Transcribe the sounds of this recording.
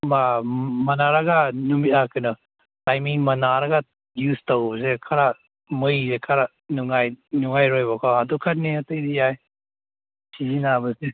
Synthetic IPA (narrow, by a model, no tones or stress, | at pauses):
mamɐnaɾaɡanumitakʰɯnɔ | tajmiŋmɐnaɾaɡa | justowbsekʰaɾa | mɯjzekʰaɾa | nuŋajnuŋajɾojbakʰaadukʰat̚niatɯjdijaj | sizinabɐse